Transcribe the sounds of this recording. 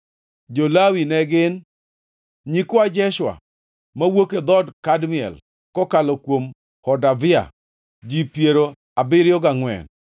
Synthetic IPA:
d͡ʒolawinɛɡɪn | ɲikwad͡ʒɛʃwa̰ | mawoked̪ɔdkadmɪɛ̰l | kɔkalɔkwom | hɔdavɪa̰ | d͡ʒipjeɾo | abɪɾjɔɡaŋwɛ̰n

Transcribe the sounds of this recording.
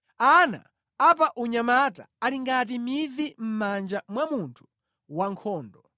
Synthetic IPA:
ana̰ | apaʔuɲamata | aliŋɡat̬imivim̩mand͡ʒamwamuntʰu̥ | waŋkʰɔːndɔ

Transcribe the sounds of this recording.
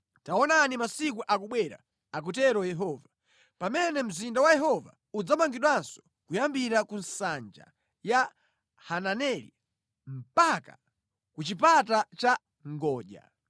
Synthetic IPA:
taɔnanimasikuʔakuɓwɛɾa̰ | ak̬ut̬ɛɾɔjɛɦɔːva | pamɛnɛm̩zindawajɛɦɔva̰ | ud͡zamaŋɡiɗwansɔ̥ | kujambiɾakunsand͡ʒa̰ | ja | hananɛlḭ | m̩paka | kut͡ʃipatat͡ʃa | ŋɡɔːʄa̰

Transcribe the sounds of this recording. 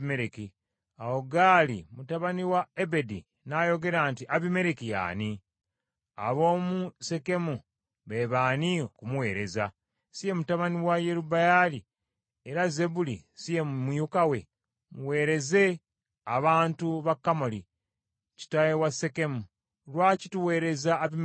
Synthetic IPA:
meɾeki | awoɡaːlimutaβaniwaebe̞di | najo̞ɡe̞ɾaːntiʔaβime̞ɾekija̰ːni | a̰βo̞ːmuse̞ke̞mu | βeβaːniokumuwe̞ːɾe̞za | sije̞mutaβaniwajeɾubajali | eɾaze̞bulḭsije̞mujukawe̞ | muwe̞ːɾe̞ze̞ | aβaːntuβakːamo̞li | ci̥tajewase̞ke̞mu | lwaːcituwe̞ːɾe̞zaːβi

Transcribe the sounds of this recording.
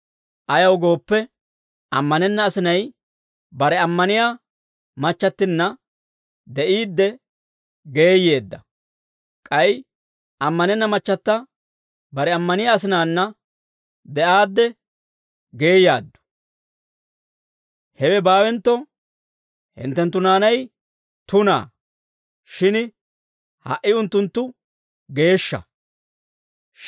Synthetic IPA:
ʔɐjɐwɡo̞ːpːɛ | ʔɐ̰mːɐnɛnːɐːsɪnɐj | bɐɾɛɐmːɐnɪja | mɐt͡ʃːɐt̪ːɪnːɐ | d̪ɛʔiːd̪ːɛ | ɡe̞ːje̞ːd̪ːɐ | kʼɐj | ɐmːɐnɛnːɐmɐt͡ʃːɐt̪ːɐ | bɐɾɛɐmːɐnɪjaːs̬ɪnaːnːɐ | d̪ɛʔaːd̪ːɛ | ɡe̞ːjaːd̪ːʊ̥ | hɛwɛbaːwɛnt̪ːɔ | hɪ̰nt̪ːɛnt̪ːʊnaːnɐj | t̪ʊna̰ː | ʃɪn | hɐ̰ʔːɪʊnt̪ːʊnt̪ːʊ | ɡe̞ːʃːɐ̰

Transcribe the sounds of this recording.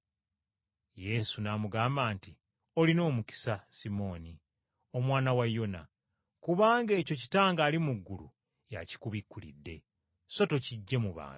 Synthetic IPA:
je̞sunaːmuɡaːmbaːnti | o̞lino̞ːmuki̥sasimo̞ːni | o̞mwaːnawajo̞na̰ | kuβaːŋɡe̞ːco̞ci̥taːŋɡaːlimuɡːulṵ | ja̰ci̥kuβikːulḭdːe̞̰ | so̞to̞ciɟːe̞muβa̰ːn

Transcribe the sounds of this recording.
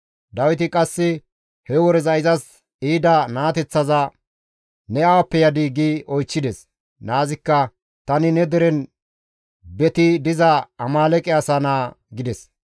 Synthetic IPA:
d̪ɐwɪt̪ɪkʼɐsːɪ | hɛwɔɾɛzɐɪzɐs | iːd̪ɐnaːt̪ɛt͡sːɐzɐ | nɛɐwɐpːɛjɐd̪iɡiɔjt͡ʃːɪd̪ɛs | naːzɪkːɐ | t̪ɐnɪnɛd̪ɛɾɛn | bɛt̪ɪd̪ɪzɐɐmaːlɛkʼɛɐsɐnaːɡɪd̪ɛs

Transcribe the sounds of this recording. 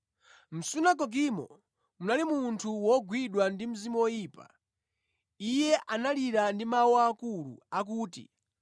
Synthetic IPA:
m̩sunak̬ɔɡ̬imɔ̰ | munalimuntʰuwɔɡwiɗwandim̩zimɔwɔjiːpa̰ | ijɛʔanaliɾandimawaːkulṵak̬uːtḭ

